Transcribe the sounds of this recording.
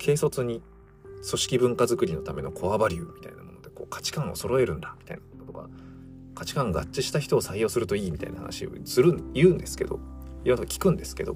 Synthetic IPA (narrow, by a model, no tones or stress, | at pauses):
kʰe̞ːso̞t͡sɨɲ̟i | so̞ɕi̥kʲibɯ̟̃ŋkazɨkɯ̟ɾʲino̞t̪ame̞no̞kʰo̞abaɾʲɯmʲit̪a̰inamo̞no̞d̪e̞ko̞̰ːkʰḁt͡ɕi̥kãɰ̃oso̞ɾo̞e̞ɾɯ̟̃nd̪amʲi̥t̪a̰inant̪oka̰ | kat͡ɕi̥kãŋɡa̰t͡ɕt͡ɕːiɕi̥t̪açi̥t̪o̞ːsaijo̞ːsɨɾɯ̟t̪o̞iːmʲit̪a̰inaha̰na̰ɕio̰sɨɾɯ̟jɯ̟ːnd̪e̞sɨ̥ke̞d̪o̞̰iɾont̪okḁkʲi̥kɯ̟̃nd̪e̞sɨ̥ke̞d̪o̞̰